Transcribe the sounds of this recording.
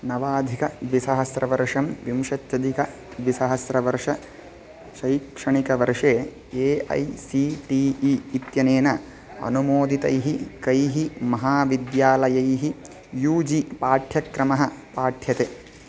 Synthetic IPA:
nɐʋaːd̪ʱikɐʋisɐɦɐsɾɐʋɐɾʂɐmʋimʃɐt̪jɐd̪ʱikɐ | ʋisɐɦɐsɾɐʋɐɾʂɐ | ʃɐjkʂɐɳikɐʋɐɾʂeː | eːɐ̰jsiʈiːiːt̪jɐneːnɐ | ɐ̰numoːd̪it̪ɐjɦikɐjɦimɐɦaːʋid̪jaːlɐjɐjɦi | juːd͡ʒipaːʈʰjɐkɾɐmɐɦɐpaːʈʰjɐt̪e

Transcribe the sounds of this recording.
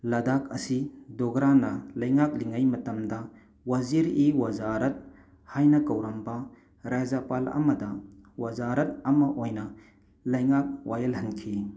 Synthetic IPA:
lɐdakʰɐsidɔɡɾanːɐlɐjŋak̚liŋɐjmɐtɐmdɐ | wɐziɾiwɐzaɾɐt̚ | hajnɐkɐwɾɐmbɐ | ɾazɐpalɐ̰mɐdɐwɐzaɾɐt̚ɐmɐʔojnɐ | lɐjŋak̚wajɐlhɐnkʰi

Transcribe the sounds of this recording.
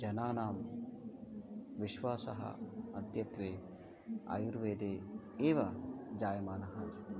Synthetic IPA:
d͡ʒɐnaːnaːm | ʋiʃʋaːsɐɦɐ̰ɐd̪ʱjɐt̪ʋeː | a̰juɾʋeːd̪eː | eːʋɐd͡ʒaːjɐmaːnɐɦɐst̪i

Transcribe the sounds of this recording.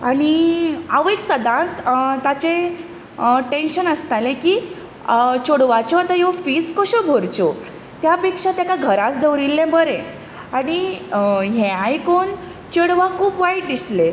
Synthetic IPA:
aɽ̃iaʋeksəd̪ãt͡st̪at͡ɕẽ | ʈenɕənəst̪alẽkiː | t͡ɕoɽʋat͡ɕoat̪ajofiːskɔɕobʱoɾt͡ɕo | t̪japekʂãt̪jakaɡʱəɾãt͡sd̪ʱəʋɾilːẽbəɾẽ | aɽ̃i | ɦẽajkon | t͡ɕəɽʋakʰuːpʋaiʈ̚d̪isle

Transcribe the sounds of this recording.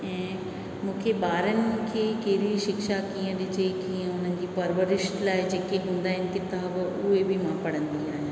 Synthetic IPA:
ɛ̃ː | mʊ̃ːkʰebaːɾənɪmʊ̃ːkʰekeːɾiʃɪkʃakiːə̃nd̪it͡ʃeikiãʊnənd͡ʑiːpɐɾʋəɾɪʃʈlaːjd͡ʒeːkeɦʊ̃ːnd̪aːɦɪnket̪aːʋ | ʊebʱimãːpɐɽə̃nd̪iːaːɦẽː

